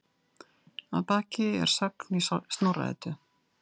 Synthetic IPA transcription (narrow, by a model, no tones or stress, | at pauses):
a̰ðpaːcɪɛ̰ɾ̥saknist̪nawra̰ɛ̰t̪ʏ